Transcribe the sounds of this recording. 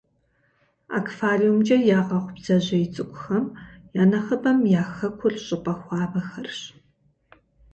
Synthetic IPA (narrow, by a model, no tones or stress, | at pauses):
a̰ːkʰfaːriumd͡ʒʼɐjaːʁɐχʷʊbz̥ɐʑɐjɪt͡sʼɨkʷʼʊxɐmjaːnɐxɐbɐmjaːxɐkʷʰʊrɕʼɪqʼɐxʷɑːbɐxɐrɕ